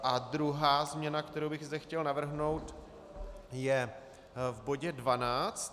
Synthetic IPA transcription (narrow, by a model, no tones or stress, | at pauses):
ʔad̪ɾuɦaːzmɲɛnakt̪ɛɾowbɪɣzd̪ɛxcɛlnavr̩ɦno̞wt̪ | jɛ | vbo̞ɟɛdvanaːt͡st̪